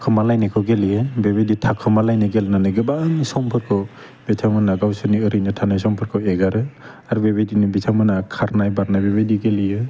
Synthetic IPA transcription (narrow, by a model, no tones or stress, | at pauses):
kʰɯmalajnɯkʰɯwɡeliɯbeβejditʰakʰɯmalajnɯɡelnanɯɡɯbaŋsɔmpʰɯɾkʰɯw | betʰamɯnaɡawsɯniɯɾɯjnɯtʰanajsɔmpʰɯɾkʰɯweɡaɾɯ | aɾubebajdinibitʰamɯnakʰaɾnajbaɾnajbebajdiɡelijɯ